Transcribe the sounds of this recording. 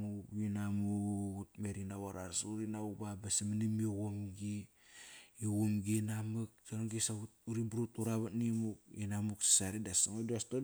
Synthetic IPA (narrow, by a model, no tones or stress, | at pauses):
uwinamut̚meɾinawaɾaɾsuɾinaubabasamanimioɣomɡi | iwomɡinamak̚saɾoŋɡisautuɾibɾutuɾaβatnimukinamuksḁsaɾidasaŋoduasto